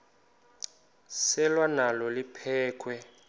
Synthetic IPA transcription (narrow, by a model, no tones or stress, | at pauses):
sɛlwanalɔlipʰɛːkʰwɛ